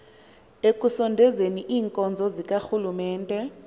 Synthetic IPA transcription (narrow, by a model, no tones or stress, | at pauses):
ekʼusɔndʱɛzeniʔiːŋkʼɔnd͡zʱɔzik̬ʼaxulumɛːntʼɛ